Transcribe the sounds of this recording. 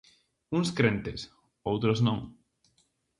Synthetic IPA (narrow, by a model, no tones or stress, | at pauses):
uŋskɾẽnt̪es | owt̪ɾoznõŋ